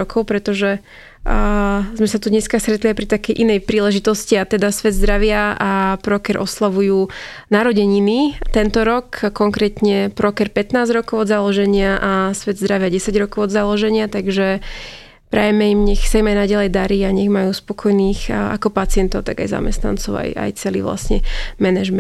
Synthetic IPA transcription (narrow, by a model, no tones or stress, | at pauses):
ɔkʰɔʊpɾɛt̪ɔʒɛ | zmɛsat̪ud̪ɲɛskast̪ɾɛt̪liajpɾit̪akɛjʔinɛjpɾiːlɛʒit̪ɔsciat̪ɛd̪asʋɛd̪zd̪ɾaʋɪaapɾɔkɛɾʔɔslaʋujuː | naɾɔɟɛɲinit̪ɛnt̪ɔɾɔkkːɔŋkɾɛːt̪ɲɛpɾɔkɛɾpɛt̪naːzɾɔkɔʊɔd̪zalɔʒɛɲɪaʔasʋɛd̪zd̪ɾaʋɪaɟɛsaɟɾɔkɔʊɔd̪zalɔʒɛɲɪat̪aɡʒɛ | pɾɛ̰ːjɛmɛimɲɛxsaimajnaɟalɛjd̪aɾiːaɲɛɣmajuːspɔkʰɔjniːxa̰kɔpat͡sɪɛnt̪ɔʊt̪a̰ɡa̰jza̰mɛ̰st̪na̰nt͡sɔʊa̰ja̰jt͡sɛlḭʋla̰sɲɛ̰mɛnɛʒmɛ